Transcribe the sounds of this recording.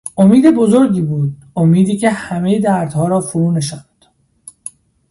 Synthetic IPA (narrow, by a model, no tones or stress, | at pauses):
ʔomiːd̪e̞bozoɾɟiːbuːd̪̚ | omiːd̪iːcʰe̞hæme̞jed̪æɾd̪hɒːɾɒːfuɾuːneʃænd̪̥